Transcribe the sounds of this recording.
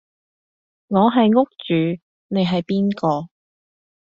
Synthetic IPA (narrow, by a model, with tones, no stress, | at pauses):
ŋɔː˨˧ɦɐ˨jŋʊ˥k̚t͡ʃyː˨˧ | ne˨˧jɦɐ˨jpiː˥nkɔː˧